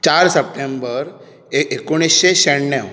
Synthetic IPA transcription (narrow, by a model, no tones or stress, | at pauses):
t͡ɕaɾsəp̚ʈembəɾ | eekoɽ̃isɕeɕəɳnɛw